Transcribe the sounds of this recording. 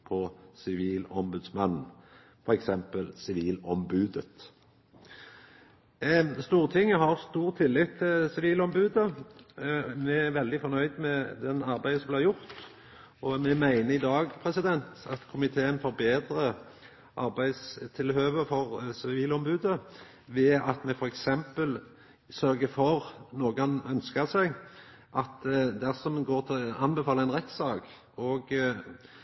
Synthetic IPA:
pʰɔsɪʋiːlɔmbʉd̪smɑnn̩ | fɔɾɛksɛmpəlsɪʋiːlɔmbʉːd̪ət̪ | st̪uːʁt̪ʰɪŋːəɦɑʁst̪uːʁt̪ʰɪlːɪt̪ʰːɪlsɪʋiːlɔmbʉːd̪ə | mɛæʋɛld̪ɪfɔʁnœʏd̪mɛd̪ɛnɑʁbæɪəsɔmblɪːjʊʁt̪ | ɔmɛmæɪnəɪd̪ɑːɡpʰɾɛsɪd̪ɛnt̪ɑt̪kʰʊmɪt̪ʰeːənfoːɾbeːd̪ɾə | ʔɑɾbæɪd̪st̪ʰɪlhøːʋəɾfɔʁsɪʋiːlɔmbʉːd̪ə | ʋɛʔɑt̪mɛfɔɾɛksɛmpəl | sœɾɡəfɔʁnoːɡɑnœnskəsæɪɡ | ʔɑt̪d̪æʁsɔmɡoːɾt̪ʰɪlɑnbɛfɑːləæɪnʁɛt̪sɑːk | ɔɡ

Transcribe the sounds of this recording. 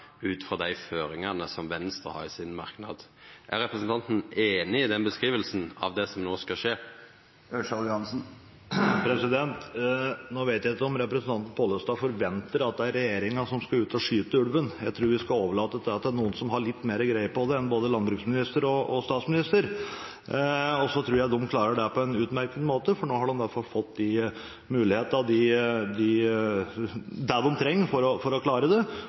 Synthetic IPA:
ʉːt̪fɾɔd̪æɪføːɾɪŋɑnəsɔmʋɛnst̪əhɑ̰ɾɪsɪnmɑɾknɑ̰d̪ | ʔæ̰ɾɛpɾəsn̩t̪ɑnt̪n̩eːnɪɪd̪ɛnbəskɾiːʋəlsnɑ̰ʋd̪ɛsɔmnoːskɑʂeː | œʂɑlhɑnsn̩ | pʰɾɛsɪd̪ɛnt̪noːʋeɪt̪jæɪt̪ːəɔmɾɛpɾəɛsənt̪ɑnt̪n̩pʰoːləst̪ɑːfɔɾʋɛnt̪əɾɑt̪̚d̪ɛæɾːɛjeːɾɪŋɑʂɔmskɑʉːt̪ɔʂyːt̪əʉɽʋənjæɪt̪ʰɾuːɾʋɪskɑoːʋəɭɑːt̪əd̪ɛɑt̪̚d̪æɳuːənsɔmɦɑɭɪt̪ːmeːɾəɡɾæɪəpɔd̪ɛɛnboːd̪əlɑnbɾʉːksmɪnɪst̪əɾɔɔst̪ɑːt̪smɪnɪst̪əɾ | ɔsɔt̪ʰɾʉːɾjæɪd̪ɔmkʰlɑːɾəɖɛpɔɛnʉːt̪mæɾkənmoːt̪əfɔɳoːhɑɖɔmʋæɾfɑlfɔt̪ːd̪ɪ | mʉːlɪheːt̪nɑd̪ɪd̪ɪ | d̪æɖɔmt̪ʰɾɛŋːfɔɾɔfɔɾɔkʰlɑːɾəd̪ɛ

